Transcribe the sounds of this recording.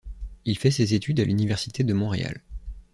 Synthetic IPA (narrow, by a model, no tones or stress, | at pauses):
ilfɛsezet̪ʰyd̪alʔynivɛʁsit̪ed̪əmɔ̃ʁḛa̰l